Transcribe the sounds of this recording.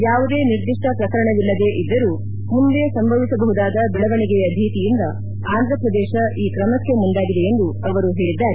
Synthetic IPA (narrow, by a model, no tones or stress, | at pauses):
jaːʋud̪e̞ːniɾd̪iʂʈɐpɾɐkɐɾɐɳɐʋilːɐd̪e̞ʔid̪ːɐɾuː | mund̪e̞sɐmbʱɐʋisɐbɐɦud̪aːd̪ɐbɛɭɐʋɐɳiɡeɐd̪ʱiːt̪ijind̪ɐ | aːnd̪ɾɐpɾɐd̪eːʃɐiːkɾɐmɐkːe̞mund̪aːɡid̪e̞end̪uɐʋɐɾuɦe̞ːɭid̪ːaːɾe